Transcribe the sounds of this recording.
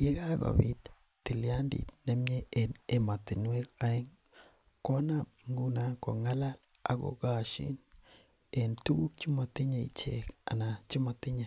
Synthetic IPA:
je˦ka˦ɡo̰˨bḭ˦t | ti˨lja˦ndḭ˨t̚ne˦mɲe˦e˨ne˨ma˨ti˨nwe˦ka˦e˦ŋ | kɔ˦na˦mi˨ŋɡu˦na˦ko̰˨ŋa˦la˦l | a̰˨ɡo̰˨ka˦˨ʃḭ˦n | e˨ntu˦ɡu˦k̚t͡ʃi˦ma˨ti˦ɲa˨ḭ˨t͡ʃḛ˨ka̰˨na˨t͡ʃi˦ma˨ti˦ɲa˨

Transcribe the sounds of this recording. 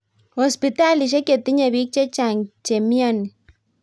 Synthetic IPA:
hɔ˨spi˨ta˦li˨ʃ̬e˦ke˨t̪i˦ɲe˨βi˦k̚t͡ʃe˦t͡ʃa˨ŋt͡ʃe˨mi˦a˦˨ni˨

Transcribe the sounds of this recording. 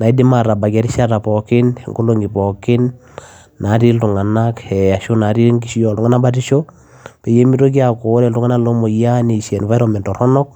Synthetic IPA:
na˨i˦di˦ma˨ɾa˨ba˨ka˦ɾi˦ʃa˦ɾa˨pɔ˨kɪ˦n˨ŋɡo˦lo˦ŋɡi˨pɔ˨kɪ˦nː | a˨˦ɾi˦ltu˨ŋa˨na˦kɛ˨a˨ʃu˦na˨˦ɾi˦ɾŋki˨ʃi˦ɔ˨ltu˦ŋa˦na˦ba˦ti˦ʃo˦ | pɛ˨je˦mi˦ɾo˦k̬i˦a˨ko˨˦ɾɛ˨ltu˦ŋa˦na˦lo˦mo˨ja˦ni˨ʃɛ˨nva˦jɾɔ˨mɛ˨ntɔ˨ɾɔ˦nɔ˦k̚

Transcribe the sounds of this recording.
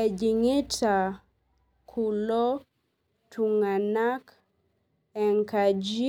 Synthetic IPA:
ɛ˨d͡ʒi˨ŋɪ˦ta˨ | kʰu˨lɔ˦ | tʰu˨ŋa˨na˦k | ɛ˨ŋka˨d͡ʒi˦

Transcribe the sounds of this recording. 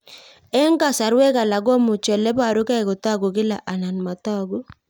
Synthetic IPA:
ɛ˦ŋɡa˨sa˨ɾwɛ˦ka˨la˨ɡɔ˦mʊ˨t͡ʃɛ˨lɛ˦ba˨ɾʊ˦ka˦i˨kʊ˨ta˦˨ɡu˨ɡɪ˦la̰˨ʔa˨na˨nma˨ta˦ɡu˦

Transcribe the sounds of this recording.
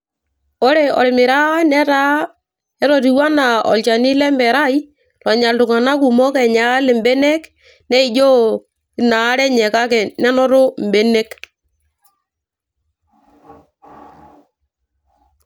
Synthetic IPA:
o˦ɾɛ˨ɔ̰˨ɾɪ˨mɪ˨ɾa˦nɛ˦ɾa˦ | ɛ˦ɾɔ˨ɾi˨wa˦na˨ɔ̰˨lt͡ʃa˨ni˦lɛ˦mbɛ˨ɾa˦˨i˦ | lɔ˨ɲa˨ltʊ˨ŋa˨na˦ku˨mɔ˦kɛ˨ɲa˨˦le˨mbɛ˦nɛ˦k | nɛ˦i˨d͡ʒo˦ | ɪ˨˦na˨˦ɾɛ˦ɲɛ˨ka˦kɛ˨nɛ˦nɔ˦ɾʊ˦m˨bɛ˦ne˦k

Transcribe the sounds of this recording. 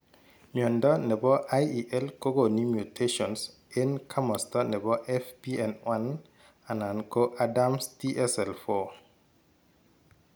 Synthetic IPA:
ɲɔ˨ndɔ˦nɛ˨bɔ˦ʔajiʔɛ˦lko˦ɡo˨ni˦mju˨tʰeʃɔ˨ns | i˦nkʰa˦mɔ˨stɔnɛ˨bɔ˦ʔɛfbiɛ˨nwan | a˨na˨nkoʔadamsti˦ʔɛsɛlfɔ

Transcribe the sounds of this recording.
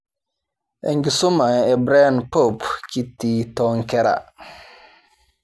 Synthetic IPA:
ḛ˨ŋɡi˨su˦ma˨e˨bɾa˦˨npo˦˨pki˦tːi˦tɔ˦ŋkɛ˦ɾa̰˨

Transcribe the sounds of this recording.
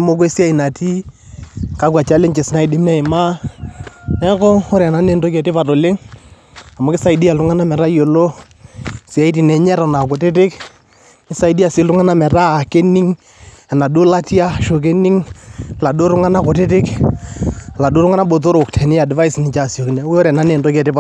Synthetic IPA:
mo˦ko˦e˦si˦a˦i˨na˨ti˦ | ka˦kwa˨t͡ʃa˦lɪ˦ŋt͡ʃɪ˨sna˦ɪ˨dɪ˦m˦na˦ɪ˨ma˦ | nɛ˦kɔ˦ɔ˦ɾa˨na˨˦ne˦nto˦kɛ˨tɪ˦pa˨to˨lɪ˦ŋ | a˨mo˦kɪ˦sa˨i˦di˦a˨lʊ˦ŋa˦na˦mɛ˨ɾa˦jo˨lo˦ | sɪ˨a˨˦i˦t̬i˨nɛ˨ɲɛ˦ɾa˨na˨kʊ˨tɪ˦t̬ɪ˦k | ɪ˦sa˨i˦di˦a˨sɪ˨lʊ˦ŋa˦na˦mɛ˨ɾaː˦˨ke˦ni˦ŋ | ɛ˨na˨du˦la˦tja˦ʃo˨k̬e˦ni˦ŋla˨dʊ˦ɾʊ˦ŋa˦na˦kʊ˨tɪ˦tɪ˦k | la˨do˦ɾʊ˦ŋa˦na˦bo˨t̬o˦ɾo˨ktʰɛ˨nɪ˦ja˨dɪ˨va˦i˦snɪ˨t͡ʃa˨sjo˨ki˨nɛ˨˦ɔ˦ɾɛ˨na˦ne˨ndo˦kɛ˨tɪ˦pa˨

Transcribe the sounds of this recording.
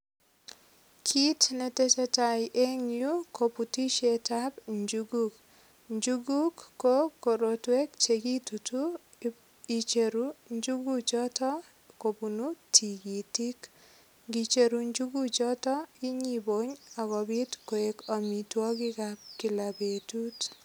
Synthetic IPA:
kʰi˦tnɛ˨te˦t͡ʃɛ˦tajʔe˦ŋjuko˨pu˨ti˦ʃetabɲd͡ʒuɡuk | ɲd͡ʒuɡu˦kːoko˨ɾotwe˦k̚t͡ʃeɡi˦tutu | i˨t͡ʃeɾuɲd͡ʒuɡu˦t͡ʃɔ˦tɔ˦ | ko˨punutʰi˨ɡi˨ti˦k | ŋɡi˨t͡ʃe˨ɾuɲd͡ʒu˦ɡut͡ʃɔtɔi˦ɲibo˦ɲa˨kɔ˨bi˦tko˨ekɔ˨mitwɔ˦ki˦kap̚ki˨la˨be˨tu˦t

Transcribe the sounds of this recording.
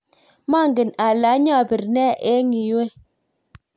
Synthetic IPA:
ma˦˨ŋɡɪ˨na˨la˨˦ɲa˦˨pi˨ɾnɛ˦ʔe˦ŋi˨we˦

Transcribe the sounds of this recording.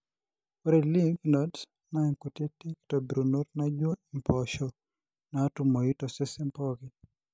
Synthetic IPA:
o˦ɾe˨li˦vnɔ˨d | na˦ɛ˨ŋko˨te˦ti˦kto˨bi˨ɾu˨no˦ɾna˦d͡ʒwɔ˦i˨mpɔ˨ʃɔ˨ | na˨ɔ˦tu˨mo˨i˦tɔ˨sɛ˦sɛ˦mpɔ˦ɡi˨

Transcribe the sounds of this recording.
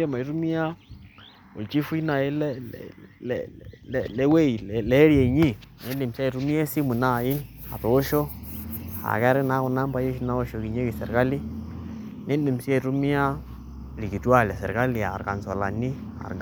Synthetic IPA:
e˦ma˨i˦ɾu˦mi˦ja˦ | o̰˨t͡ʃi˦fu˦na˨ɪ˦l | lɛ˦we˦i˨lɛ˨lɛ˨˦ɾje˨ɲi˦ne˨˦li˨msi˦a˦i˨ɾu˦mi˦a˦si˦mu˨na˦˨jɪ˦ | a̰˨toː˨˦ʃo˦ | a̰˨kɛ˦ɾɪ˦na˨˦kʊ˨na˦mba˦je˦ʃi˦na˦o˦ʃo˨ki˨ɲe˦ki˨sḛ˨ɾka˦li˦ | ne˦ni˨msi˦a˦˨ɾu˦mi˦a˦ | ɾi˨ki˨tu˦a˦˨lɛ˨sɛ̰˨ɾka˦li˨a˨ɾka˨nsɔ˨la̰˨ni˦ | a̰˨ɾ

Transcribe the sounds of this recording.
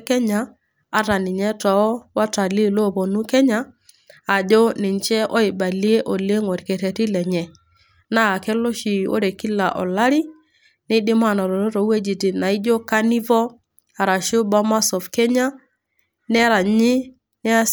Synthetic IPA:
kɛ˦ɲa˨ | a˨ɾa˨nɪ˨ɲɛ˦tɔ˨˦wa˦ta˨li˦˨lo˦˨βɔ˨nu˦kɛ˦ɲa˨ | a˨d͡ʒɔ˦nɪ˨nt͡ʃɛ˦ʔɔ˦ɪ˨ba˨li˦e˦ʔɔ˨le˦ŋɔ˨ɾkɛ˨tɛ˨tɪ˦lɛ˨ɲɛ˨ | na˦˨kɛ˦lɔ˦ʃi˨o̰˦ɾe˨ki˦la˨ʔɔ̰˨la˦ɾi˦ | nɪ˦dɪ˦ma˦˨nɔ˨ɾɔ˨ɾo˦ɾɔ˨we˦d͡ʒi˨ti˨na˨ɪ˦d͡ʒo˦ka˦ni˦vɔ˦ | a˨ɾa˨ʃo˦ba˦ma˦sɔ˨fkɛ˦ɲa˦ | nɛ˦ɾa˨ɲɪ˦ | nɛ˦a˦

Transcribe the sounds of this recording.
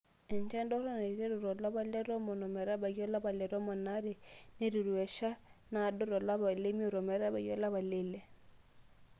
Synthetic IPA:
ɛ˨nd͡ʒɛ˦ndɔ˦ɾɔ˦ne˨ɾi˨ɾe˦ɾu˨ɾɔ˨la˦βa˦lɛ˦ɾɔ˦mɔ˨nɔ˨mɛ˨ɾa˦ba˨ɣjɔ˦la˦βa˨lɛ˨ɾɔ˦mɔ˨na˦ɾe˨ne˦ɾu˨ɾwɛ˨ʃa˦na˨do˦ɾɔ˨la˦βa˨le˦mi˦o˨ɾɔ˨mɛ˨ɾa˦βa˨jɔ˦la˦βa˨le˦˨lɛ˦˨

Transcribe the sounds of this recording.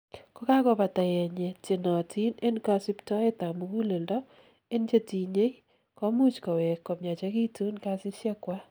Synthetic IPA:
kɔ˦ka˦kɔ˦pa˨ta˨jɛ˨ɲɛ˨te˨nɔ˨tʰi˦ne˦nka˨˦si˦ptɔ˦e˦t̪a˨mu˨ɡu˦le˨ldɔ˦ | e˦nt͡ʃe˦ti˨ɲe˦ | kɔ˦mu˦t͡ʃkɔ˨wɛ˨kːɔ˨mja˨t͡ʃa˦ki˦tu˦nka˦sɪ˦ʃjɛ˦kwa˦

